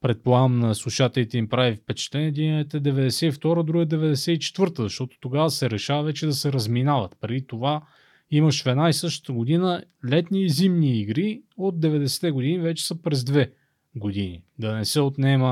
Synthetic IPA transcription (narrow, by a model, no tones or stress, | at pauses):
pɾɛt̪̚pˠamnɐslˠuʃat̪ɛlit̪ɛimpɾavifpɛt͡ʃɛ̥t̪lɛnɛd̪inɛt̪ɛd̪ɛvɛd̪ɛsɛift̪ɔɾəd̪ɾuɡəd̪ɛvɛd̪ɛsɛit͡ʃɛ̥t̪vɤɾt̪əzɐʃt̪ɔt̪o̥t̪oɡavəsɛɾɛʃavɐvɛt͡ʃɛd̪ɐsɛɾɐzminavət̪pɾɛd̪it̪ova | iməʃvɛnaisɤʃt̪ə̥t̪əɡod̪inəlɛt̪niːzimniːɡɾiod̪̚d̪ɛvɛd̪ɛsɛ̥t̪ɛɡoʊd̪inivɛt͡ʃɛ̥səpɾɛzd̪vɛ | ɡod̪inid̪ɐnɛsɛot̪nɛmə